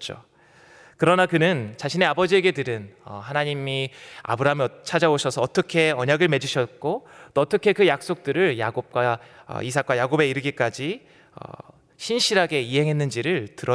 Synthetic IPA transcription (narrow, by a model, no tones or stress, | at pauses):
t͡ɕ͈o̰ | kɯɾʌnakɯnɯnt͡ɕaɕʰine̞abʌd͡ʑie̞ɡe̞tɯɾɯnʌ̰hanaɲimia̰bɯɾaɦmʌt͡ɕʰad͡ʑaoɕʰʌsʰʌːt͈ʌkʰe̞ʌɲaɡɯɭme̞d͡ʑuɕʰʌt̚k͈ot͈oʌt͈ʌkʰe̞kɯjak̚s͈ok̚t͈ɯɾɯɭjaɡop̚k͈waʌ̰isʰak͈wajaɡobe̞iɾɯɡik͈ad͡ʑi | ʌ̰ | ɕʰinɕʰiɾɦaɡe̞iɦe̞ŋɦenːɯnd͡ʑiɾɯɭtɯɾʌ